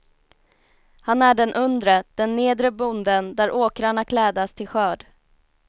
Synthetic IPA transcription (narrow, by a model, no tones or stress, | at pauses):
hanæɖɛnʔɵnd̪ɾəd̪̥ɛnːeːd̪ɾəbʊnd̪ənd̪æɾʔoːkɾaɳakʰlɛːd̪ast̪ʰɪlɧœːɖ